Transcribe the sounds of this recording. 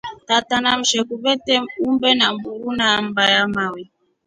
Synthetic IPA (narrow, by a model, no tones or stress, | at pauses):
tatanam̩ʃɛkubɛtɛumbɛnambuɾunam̩bajamawɛ